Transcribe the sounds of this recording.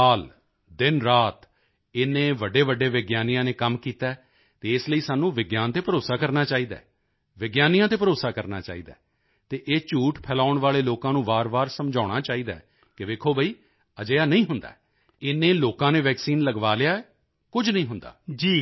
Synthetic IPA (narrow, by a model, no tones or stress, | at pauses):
aːl | d̪ɪnɾaːt̪ | ɪnẽːʋəɖːeːʋəɖːeːʋɪɡjaːnijãːneːkəmkiːt̪aː | t̪eːɪsləiːsaːnːũːʋɪɡjaːnt̪eːpəɾoːsaːkəɾnaːt͡ʃaːiːd̪a̰ː | ʋɪɡjaːnijãːt̪̬eːp̬əɾoːsaːkəɾna̰ːt͡ʃa̰ːiːd̪a̰ː | t̪eːʔeːt͡ʃuːʈpʰɛːlaːʊɳʋaːleːloːkãːnũːbaːɾbaːɾsəmd͡ʒaːɽ̃aːt͡ʃaːiːd̪aːɛ | kɪʋeːkʰoːbəiː | əd͡ʒəjaːnəĩːɦʊnd̪a̰ː | ɪnẽːloːkãːnẽːʋɛːksiːnləɡʋaːlejaːɛ | kʊd͡ʒnə̃ĩːɦʊnd̪a̰ːd͡ʒiː